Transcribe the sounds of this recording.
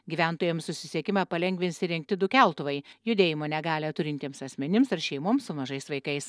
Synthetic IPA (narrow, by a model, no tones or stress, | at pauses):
ɡʲiːʋʲæˑnt̪oːjɛmssʊsʲɪsʲiɛkʲɪmɑpɐlʲɛŋʲɡʲʋʲɪnʲsʲɪɾʲɪŋk̚t̪ʲɪd̪ʊkʲæˑlˠt̪ʊʋɐɪjʊd̪ʲeːjɪmoːnʲɛɡɑːlʲɛt̪ʊɾʲɪnt̪ʲiɛmsɐsʲmʲɛnʲɪmsɐɾʃʲɛɪmoːmsʊmɐʒɐɪsʋɐɪkɐɪs